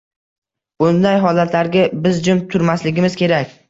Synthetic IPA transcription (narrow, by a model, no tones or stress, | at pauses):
b̥ʊnd̪ajɦɒlat̪laɾɡʲabɪzd͡ʒʊmt̪ʰʊɾmaslɪɡʲɪmɪzkʲʰe̞ɾakʲ